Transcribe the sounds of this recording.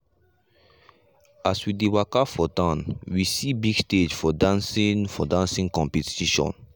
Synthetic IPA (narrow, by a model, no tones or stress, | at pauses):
aswidiwakafɔtãnwisibiɡsted͡ʒfɔdãnsĩŋfɔdãnsĩŋkɔ̃mpɛtiʃɔ̰̃n